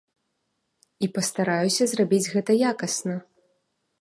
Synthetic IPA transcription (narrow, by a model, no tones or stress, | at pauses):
ipɐst̪aɾajusʲɐzrabʲid͡zʲɣɛt̪ɐjakɐsnɐ